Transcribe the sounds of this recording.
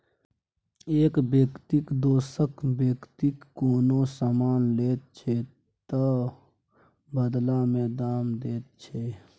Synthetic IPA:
eːkbeːkt̪ɪkd̪oːsəkbjeːkt̪ɪkːoːnoːsaːmaːnleːt̪̚t͡ʃʰe | t̪ə | bəd̪laːmɛːd̪aːmd̪eːt̪̚t͡ʃʰeː

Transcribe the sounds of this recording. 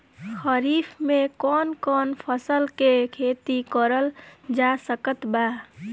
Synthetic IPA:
xəɾiːpʰmẽkɔːnkɔːnpʰəsəlkekʰet̪ikəɾəld͡ʒasəkət̪ba

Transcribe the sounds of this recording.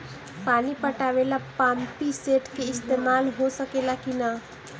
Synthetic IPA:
panipəʈaʋelapampiseʈkeɪst̪emalɦosəkelakina

